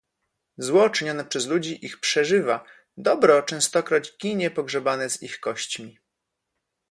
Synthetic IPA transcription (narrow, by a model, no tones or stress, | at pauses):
zwɔt͡ʂɘɲɔnɛpʂɛzlud͡ʑiʔixpʂɛʐɘva | d̪ɔbɾɔt͡ʂɛ̃w̃st̪ɔkɾɔd͡ʑɡʲiɲɛpɔɡʐɛbanɛzixkɔɕt͡ɕmʲi